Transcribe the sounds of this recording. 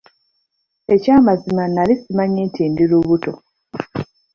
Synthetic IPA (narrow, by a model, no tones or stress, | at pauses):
e̞caːmazimanalisimaɲiːntiːndiɾuβuto̞